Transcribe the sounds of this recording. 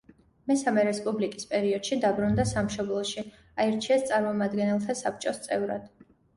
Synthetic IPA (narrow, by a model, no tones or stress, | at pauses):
mɛsamɛɾɛspʼublikʼispʼɛɾiɔd̪̥ʃid̪abɾund̪asamʃɔblˠɔʃi | aiɾt͡ʃʰiɛst̪sʼaɾmɔmad̪ɡɛnɛlˠt̪ʰasap̚ʰt͡ʃʼɔst̪sʼɛvɾa̰d̪̥